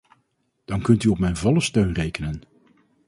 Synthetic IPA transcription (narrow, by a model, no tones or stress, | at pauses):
d̥ɑnkɵntyɔpmɛjnvɔləstøɥnrejkənən